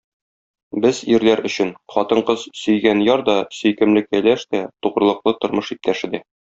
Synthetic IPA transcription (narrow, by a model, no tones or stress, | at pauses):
bɘziɾlæɾʔɵ̆ɕɘnχɒt̪ɤɴqɤz̥sɵ̆jɡænjɒɾd̪ɒsɵ̆jkɘ̆mlɘkːælæʃt̪æt̪uʁɾɤ̆lˠɤ̆qlˠɤt̪ŏɾmɤʃip̚t̪ʰæʃɘd̪æ